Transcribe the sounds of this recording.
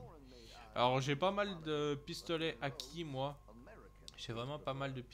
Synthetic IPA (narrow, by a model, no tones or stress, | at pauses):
a̰lɔʁʒepamald̪əpist̪ɔlɛʔakʲʰimwa | ʒ̥evʁɛmɑ̃pamald̪əp